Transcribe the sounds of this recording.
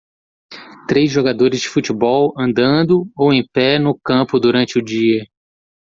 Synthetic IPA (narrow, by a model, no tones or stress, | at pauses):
t̪ɾejzʒoɡad̪oɾɪzd͡ʒɪfut͡ʃɪbɔwɐ̃nd̪ɐ̃d̪ʊowẽj̃pɛnʊkɐ̃pʊd̪uɾɐ̃nt͡ʃɪʊd͡ʒiɐ